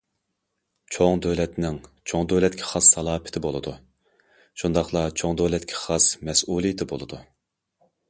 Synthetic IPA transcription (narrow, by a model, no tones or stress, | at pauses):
t͡ʃʰoŋd̪øwlɛt̪nɪŋt͡ʃʰoŋd̪øwlɛt̪kʲʰi̥χɑsːɑlˠɑːpʰɪ̥t̪ʰɪbolˠɨd̪u | ʃund̪ɑχlˠɑt͡ʃʰoŋd̪øwlɛt̪kʲʰi̥χɑsmɛsulˠijit̪ʰɪbolˠɨd̪u